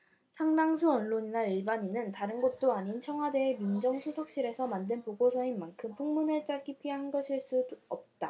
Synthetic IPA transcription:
sʰaŋdaŋsʰuʌnɭoɲinaiɭbaɲinɯntaɾɯnɡʌt̚t͈oaɲint͡ɕʰʌŋɦwade̞ːmjund͡ʑʌŋsʰusʰʌk̚ɕ͈iɾe̞sʰʌmandɯnpoɡosʰʌinmankʰɯmpʰuŋmunɯɭt͡ɕ͈aɭk͈ipʰiɦanɡʌɕʰiɭs͈udʌp̚t͈a

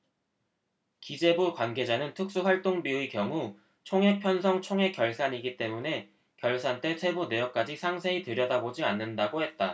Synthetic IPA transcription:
kid͡ʑe̞bukwanɡe̞d͡ʑanɯntʰɯk̚s͈uɸwaɭt͈oŋbiuikjʌŋu | t͡ɕʰoŋɦe̞pʰjʌnsʰʌŋt͡ɕʰoŋɦe̞kjʌɭs͈aɲiɡit͈e̞mune̞ | kjʌɭs͈ant͈e̞t͡ɕʰe̞bune̞jʌk͈̚ad͡ʑisʰaŋsʰeitɯɾjʌdabod͡ʑianːɯndaɡohe̞t̚t͈a

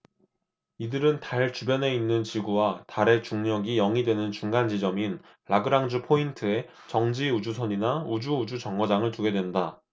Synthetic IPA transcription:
idɯɾɯntaɭt͡ɕubjʌne̞inːɯnt͡ɕiɡuwataɾe̞t͡ɕuŋɲʌɡijʌŋidwe̞nɯnt͡ɕuŋɡand͡ʑid͡ʑʌmin | ɭaɡɯɾaŋd͡ʑupʰointʰɯe̞ | t͡ɕʌŋd͡ʑiud͡ʑusʰʌɲinaud͡ʑuud͡ʑut͡ɕʌŋɡʌd͡ʑaŋɯɭtuɡe̞dwe̞nda

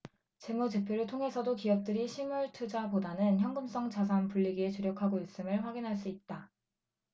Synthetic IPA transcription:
t͡ɕe̞mud͡ʑe̞pʰjoɾɯɭtʰoŋɦe̞sʰʌdokijʌk̚t͈ɯɾiɕʰimuɭtʰud͡ʑapodanɯnçjʌŋɡɯms͈ʌŋt͡ɕas̬ʰanpuɭːiɡiet͡ɕuɾjʌkʰaɡois͈ɯmɯɭɸwaɡinɦaɭs͈uit̚t͈a

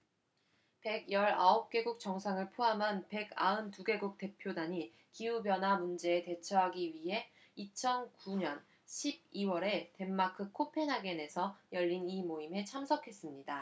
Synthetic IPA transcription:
pe̞ɡjʌɾaop̚k͈e̞ɡuk̚t͡ɕ͈ʌŋsʰaŋɯɭpʰoɦamɦanpe̞ɡa̰ɯntuɡe̞ɡuk̚t͈e̞pʰjodaɲi | kiubjʌnɦwamund͡ʑe̞ːte̞t͡ɕʰʌɦaɡiɥiɦe̞ | it͡ɕʰʌnkuɲʌn | ɕʰib̚iwʌɾe̞te̞mːakʰɯkʰopʰe̞nɦaɡe̞ne̞sʰʌjʌʎːinimoimɦe̞t͡ɕʰamsʰʌkʰe̞s͈ɯmɲida

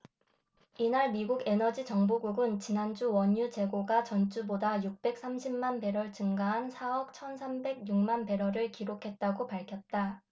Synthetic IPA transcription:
inaɭmiɡuɡe̞nʌd͡ʑit͡ɕʌŋbuɡuɡɯnt͡ɕinand͡ʑuwʌɲjut͡ɕe̞ɡoɡat͡ɕʌnt͡ɕ͈ubodajuk̚p͈e̞k̚s͈amɕʰimːanpe̞ɾʌɭt͡ɕɯŋɡaɦansʰaʌk̚t͡ɕʰʌnsʰambe̞ɡjuŋ̚manpe̞ɾʌɾɯɭkiɾokʰe̞t̚t͈aɡopaɭkʰjʌt̚t͈a

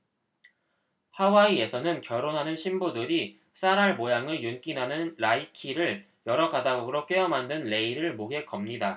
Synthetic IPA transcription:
hawaie̞sʰʌnɯnkjʌɾonɦanɯnɕʰimbudɯɾi | s͈aɾɦaɭmojaŋɯɭjunk͈inɦanɯnɾaikʰiɾɯɭ | jʌɾʌɡadaɡoɡɯɾok͈ɥeʌmɦandɯnle̞iɾɯɭmoɡe̞kʌmɲida

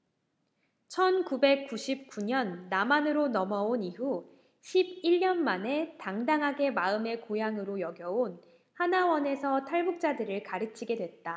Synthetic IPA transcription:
t͡ɕʰʌnkube̞k̚k͈uɕʰip̚k͈uɲʌnːamanɯɾonʌmʌoniɦu | ɕʰib̚iʎɲʌnmane̞taŋdaŋɦaɡe̞maɯme̞kojaŋɯɾojʌɡjʌon | hanawʌne̞sʰʌtʰaɭbuk̚t͡ɕ͈adɯɾɯɭkaɾɯt͡ɕʰiɡe̞dwe̞t̚t͈a

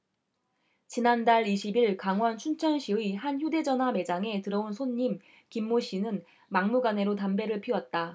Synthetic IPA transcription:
t͡ɕinandaɭiɕʰibiɭkaŋwʌnt͡ɕʰunt͡ɕʰʌnɕʰiihançjude̞d͡ʑʌnɦwame̞d͡ʑaŋe̞tɯɾʌonsʰoɲːim | kimːoɕ͈inɯn | maŋmuɡane̞ɾotambe̞ɾɯɭpʰiwʌt̚t͈a

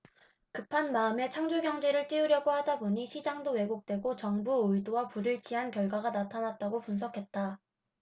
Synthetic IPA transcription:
kɯpʰanmaɯme̞t͡ɕʰaŋd͡ʑoɡjʌŋd͡ʑe̞ɾɯɭt͈iuɾjʌɡohadaboɲiɕʰid͡ʑaŋdowe̞ɡok̚t͈we̞ɡot͡ɕʌŋbuɯidowapuɾɯɭt͡ɕ͈iɦankjʌɭɡwaɡanatʰanat̚t͈aɡopunsʰʌkʰe̞t̚t͈a

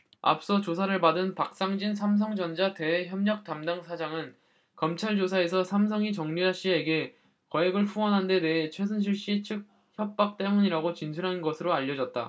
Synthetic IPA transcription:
a̰p̚s͈ʌt͡ɕos̬ʰaɾɯɭpadɯnpak̚s͈aŋd͡ʑinsʰams̬ʰʌŋd͡ʑʌnd͡ʑate̞eçjʌmɲʌk̚t͈amdaŋsʰad͡ʑaŋɯn | kʌmt͡ɕʰaɭd͡ʑos̬ʰae̞s̬ʰʌsʰamsʰʌŋit͡ɕʌŋɲiɾaɕ͈ie̞ɡe̞ | kʌeɡɯɭɸuwʌnɦande̞ne̞ɦet͡ɕʰwe̞s̬ʰɯnɕ̬ʰiɭɕ͈it͡ɕʰɯk̚ | çjʌp̚p͈ak̚t͈e̞muɲiɾaɡot͡ɕinsʰuɾɦannɡʌsʰɯɾoaʎːʌd͡ʑʌt̚t͈a̰

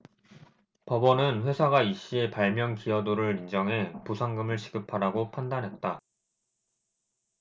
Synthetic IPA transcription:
pʌbʌnɯnɸwe̞sʰaɡaiɕ͈ie̞paɭmjʌnkiʌdoɾɯɾind͡ʑʌŋɦe̞pusʰaŋɡɯmɯɭɕʰi̥ɡɯpʰaɾaɡopʰandanɦe̞t̚t͈a

